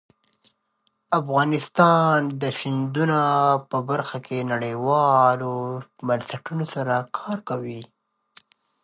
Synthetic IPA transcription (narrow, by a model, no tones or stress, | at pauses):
afɣɑnɪst̪ɑnd̪əʃɪnd̪unapəbaɾxakʰenaɽəjwɑlomansaʈunosaɾakʰɑɾkawi